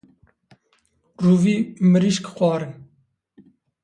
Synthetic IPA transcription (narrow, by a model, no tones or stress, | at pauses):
ruːviːmɨɾiʃkxʷɑːɾɨn